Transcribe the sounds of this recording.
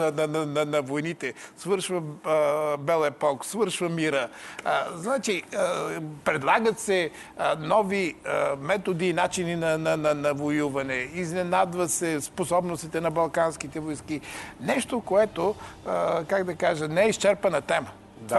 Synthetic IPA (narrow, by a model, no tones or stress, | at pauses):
nɐnɐnɐnɐvojnit̪ɛsvəɾʃvə | bɛlˠɛpɔksvɤɾʃvəmiɾə | znat͡ʃiəpɾɛd̪lˠaɡət̪sɛ | nɔviəmɛt̪od̪iːnat͡ʃininɐnɐnɐnɐvojuvɐnɛiznɛnad̪vɐt̪sɛsposɔbnost̪it̪ɛnɐbɐlˠkanskit̪ɛvojskinɛʃt̪okoɛt̪o | kaɡd̪ɐkaʒənɛɛist͡ʃɛɾpɐnɐt̪ɛmə